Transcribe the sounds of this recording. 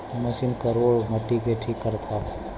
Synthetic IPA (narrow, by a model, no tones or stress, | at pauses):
məsinkəɾoːɽməʈːikeʈʰiːkːəɾt̪ʰa